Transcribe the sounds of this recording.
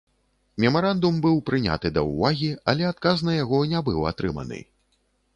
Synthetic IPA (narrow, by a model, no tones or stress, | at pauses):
mʲɛmaɾand̪umbɨwpɾɨnʲa̰t̪ɨd̪ɐ̰wvaɣʲiɐ̰lʲɛat̪̚kaznɐjaɣɔnʲabɨwa̰t̪ɾɨmɐ̰nɨ̰